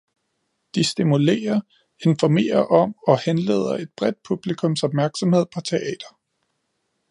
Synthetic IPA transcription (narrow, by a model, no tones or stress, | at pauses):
d̥isd̥imule̝̰ːɐ | e̝nfɒme̝̰ːɐʔɒ̽mɒ̽henle̝̰ːð̞̰ˠɐe̝d̥b̥ʁɛd̥̚pʰub̥likʰɔ̽msɒ̽b̥̚mæɐɡ̥sɒ̽mhe̝ð̞̰ˠpʰɒ̽t͡sʰe̝ʔɛ̰ːd̥ɐ